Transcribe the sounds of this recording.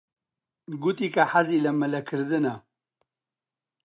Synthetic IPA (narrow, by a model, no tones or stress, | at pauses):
ɡut̪iːkɐħaziːlɐmɨlɐkʰɨɾd̪ɨnɐ